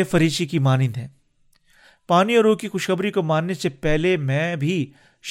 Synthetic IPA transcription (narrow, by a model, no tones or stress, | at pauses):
efɐɾiːʃikimaːnɪd̪ɦɛ̃ː | paːniɔːɾoːkixʊʃxɐbɾikomaːnːesepɛɦlemɛ̃ːbʱi | ʃ